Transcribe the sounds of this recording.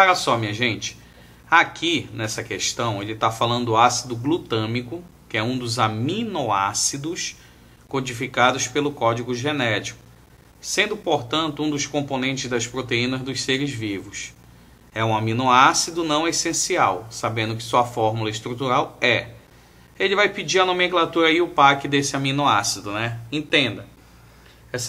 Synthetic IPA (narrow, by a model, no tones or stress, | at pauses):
aɾɐsɔmĩɲɐʒẽnt͡ʃɪ̥ | akʰinɛsɐkeʃt̪ɐ̃w̃elɪt̪afalɐ̃nd̪ʊʊasid̪ʊɡlut̪ɐ̃mikʊkɪɛũd̪ʊzamĩnoa̰sid̪ʊs | kod͡ʒifikad̪ʊspelʊkɔd͡ʒiɡʊʒenɛt͡ʃi̥kʊ̥ | sẽnd̪ʊpoɾt̪ɐ̃nt̪ʊũd̪ʊskõmponẽnt͡ʃɪzd̪ɐspɾot̪eĩnɐzd̪ʊsseɾɪzvivʊs | ɛũamĩnoasid̪ʊnɐ̃w̃esẽsiawsabẽnd̪ʊkɪ̥suɐfɔɾmulɐɪʃt̪ɾut̪uɾawɛ | elɪvajpid͡ʒiɾɐnomẽklat̪uɾɐiʊpakɪd̪esɪamĩnoasid̪ʊnɛẽt̪ẽd̪ɐ | ɛs